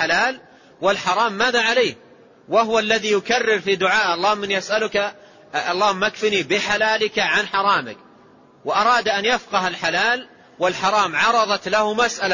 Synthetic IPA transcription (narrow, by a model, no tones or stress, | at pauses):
alaːl | wɪlħɑɾˤɑːmːaːðaʕaleːh | waɦʊwalːaðijʊkarːɪɾfid̪ʊʕaːʔɑlˤːɑːhʊmːɪnjʔasʔalʊka | ɑlˤːɑːhʊmːʔakfinibɪħalaːlɪkaʕanħɑɾˤɑːmɪ̰k | wʔɑɾˤɑːd̪ʔanjafqɑɦalħalaːl | wɪlħɑɾˤɑːmʕɑɾˤɑðˤɑt̪lahʊmasʔala